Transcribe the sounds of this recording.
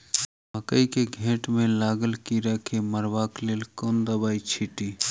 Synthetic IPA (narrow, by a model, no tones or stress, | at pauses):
bəkəikeɡʱẽːʈmẽlaːɡəlkiɾəkʰeməɾʋaːkleːlkoːnd̪əbaːit͡ʃʰiʈiː